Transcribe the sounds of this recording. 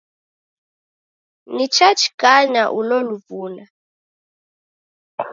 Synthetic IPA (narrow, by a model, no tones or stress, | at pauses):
nit͡ʃʰat͡ʃʰkaɲaʔulɔluvuːna